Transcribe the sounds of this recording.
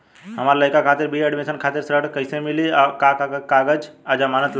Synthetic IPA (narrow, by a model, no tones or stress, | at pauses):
ɦəməɾləɪkakʰat̪iɾbieɖmesənkʰat̪iɾsɾəɽkəɪsemiliakakakkaɡəd͡ʒad͡ʒamanət̪l